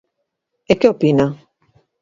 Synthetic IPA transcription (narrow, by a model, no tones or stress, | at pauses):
ekeopina